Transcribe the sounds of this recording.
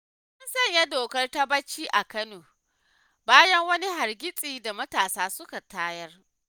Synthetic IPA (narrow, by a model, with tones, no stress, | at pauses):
ʔʊ˦nsɐ˦˨ɲja˦doː˨kɐ˦rta˦bɐ˦t͡ʃːiː˦ʔa˨kɐ˦noː˨ | baː˦jɐ˦ŋwɐ˦ni˦ɦa˨rɡʲɪ˦sʼiː˨da˨mɐ˦taː˨saː˦sʊ˦ka˨taː˦jɐ˦r